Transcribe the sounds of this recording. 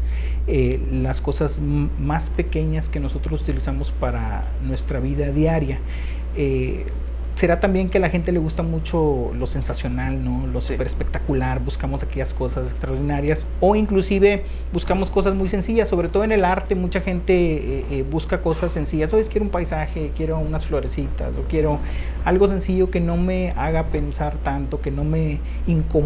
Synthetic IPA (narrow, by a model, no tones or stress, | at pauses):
e | lasko̞saz | maspe̞ke̞ɲaske̞no̞so̞t̪ɾo̞sut̪ilisamo̞spaɾa̰ | nwe̞st̪ɾaβiðaðjaɾja | e | se̞ɾat̪ambje̞ŋke̞laxe̞nt̪ele̞ɣust̪amut͡ʃo̞ | lo̞se̞nsasjo̞nalno̞losupeɾespe̞k̚t̪akulaɾbuskamo̞sakeʝasko̞sasekst̪ɾaoɾðinaɾjas | o̞iŋklusiβe̞ | buskamo̞sko̞s̬azmujs̬e̞nsiʝasːo̞β̞ɾet̪o̞ð̞oenelaɾt̪e̞mut͡ʃaxe̞nt̪e̞eʔβuskako̞sasːe̞nsiʝasoeskjeɾumpajsaxe̞kje̞ɾounasflo̞ɾesit̪a̰sokje̞ɾo̞ | alɣo̞s̬e̞nsiʝo̞ke̞no̞me̞aɣape̞nsaɾt̪ant̪o̞ke̞no̞me̞ | iŋko